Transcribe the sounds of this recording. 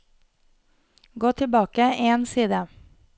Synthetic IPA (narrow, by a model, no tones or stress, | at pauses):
ɡoːt̪ʰɪlbɑːkəensiːd̪ə